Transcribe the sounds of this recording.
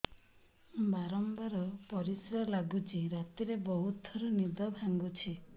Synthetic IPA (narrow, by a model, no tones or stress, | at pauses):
baɾɔmbaɾɔpɔɾisɾɔlaɡut͡ʃʰiɾat̪iɾebɔɦut̪ɔɾunid̪ɔbʱaŋɡut͡ʃʰi